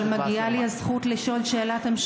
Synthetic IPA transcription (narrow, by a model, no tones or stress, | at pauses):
lmaɡialiazχut̪liʃo̞lʃeːlatemʃ